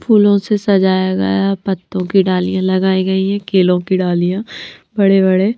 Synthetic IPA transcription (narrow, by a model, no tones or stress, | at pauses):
pʰuːlõsesɐd͡ʒaːjaɡɐ̰japɐt̪ːõkiɖaːlijãlɐɡaːiɡɐiɦɛ̃keːlõkiɖaːlijãbɐɽebɐɽe